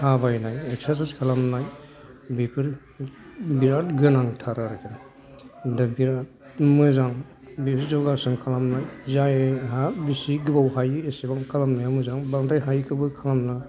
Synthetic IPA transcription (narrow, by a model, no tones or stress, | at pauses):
habajnajeksaɾsaskʰalamnaj | bipʰiɾ | biɾat̚ɡɯnaŋtʰaɾaɾɯkʰena | dabiɾat̚ | mɯzaŋ | bipʰiɾzɔɡasɯŋkʰalamnajzaeɦabisiɡɯbawɦajɯesebaŋkʰalamnajamɯzaŋbaŋdajɦajkʰɯbɯkʰalamna